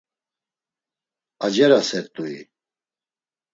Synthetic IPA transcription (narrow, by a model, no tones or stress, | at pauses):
ad͡ʒɛɾasɛɾt̪ʼui